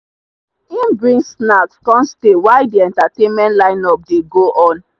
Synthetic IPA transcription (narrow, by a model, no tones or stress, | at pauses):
ĩnbɹĩnsnakskɔ̃mstewaɪdiɛ̃ntatẽnmɛ̃ntlãɪ̃nɔp̚deɡoʔɔ̃n